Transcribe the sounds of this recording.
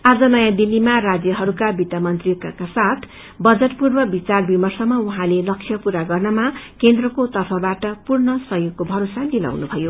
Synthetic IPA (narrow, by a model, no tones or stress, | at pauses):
ad͡zʌnʌjãd̪ilːimarad͡zjʌɦʌɾukabit̪amʌnt̪rikakasat̪ʰ | bʌd͡zʌʈpurbʌbit͡sarbimʌrsʌmːʌuɦãlelʌksʰjʌpuɾaɡʌrnʌmakend̪rʌkot̪ʌrpʰʌbaʈʌpurnʌsʌjoɡkobʱʌɾosad̪ila̰wnubʱʌjo